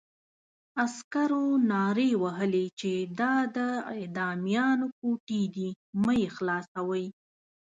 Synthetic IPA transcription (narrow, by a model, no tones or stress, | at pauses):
askaɾonɑɾewaɦəlet͡ʃed̪ɑd̪əad̪ɑmijɑnok̚oʈid̪i | məjexlɑsawəj